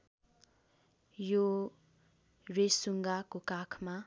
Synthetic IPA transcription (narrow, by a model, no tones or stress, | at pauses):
jo | resuŋɡakokakʰma